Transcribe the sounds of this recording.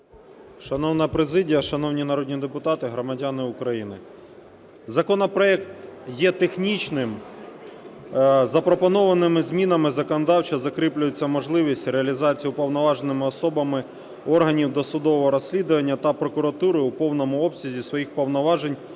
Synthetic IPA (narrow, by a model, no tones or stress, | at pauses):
ʃɐnɔwnɐpɾezɪdʲijɐʃɐn̪ɔwnʲinɐɾɔd̪ʲnʲid̪epʊt̪ɑt̪ɪɦɾɔmɐdʲanɪʊkɾɐjinɪ | zɐkɔnɔpɾɔɛk̚t̪jɛt̪exnʲit͡ʃnɪm | zɐpɾɔpɔnɔʋɐnɪmɪzʲmʲinɐmɪzɐkɔnɔd̪ɑwt͡ʃɐzɐkɾɪplʲʊjet͡sʲːɐmɔʒlˠɪʋʲisʲtʲreɐlʲizɑt͡sʲijʊpɔwnɔʋɑʒenɪmɪɔsɔbɐmɪ | ɔrɦɐnʲiwd̪ɔsʊd̪ɔʋɔɦɔɾɔsʲlʲid̪ʊʋɐnʲːɐt̪ɐpɾɔkʊɾɐt̪uɾɪupɔwnɔmʊɔpsʲizʲisʋɔjixpɔwnɔʋɑʒenʲ